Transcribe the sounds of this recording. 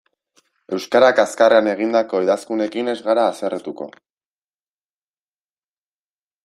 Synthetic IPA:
e̞wskaɾakaskareane̞ɣ̞ind̪ako̞eðaskune̞kine̞zɣaɾaːseret̪uko̞̰

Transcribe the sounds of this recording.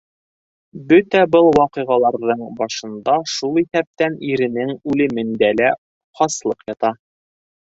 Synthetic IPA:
bɵt̪æbɤlˠwɑqɤ̆ʁɑlˠɑɾðɤɴbɑʃɤ̆nd̪ɑʃulˠiθæp̚t̪æniɾɘ̆nɘŋʉlɘ̆mɘ̆nd̪ælæ | χɑslˠɤqjɒt̪ɑ

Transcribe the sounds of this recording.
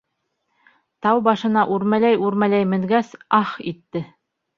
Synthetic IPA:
t̪ɑwbɑʃɤ̆nɑʔuɾmælæjuɾmælæjmɘ̆ŋɡæsɑχit̪ːɘ

